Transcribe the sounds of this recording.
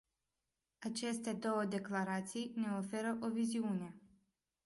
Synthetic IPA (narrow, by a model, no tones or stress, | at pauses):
at͡ʃe̞st̪e̞d̪o̞wəd̪e̞klaɾat̪sijne̞o̞fe̞ɾəʔo̞viziune̞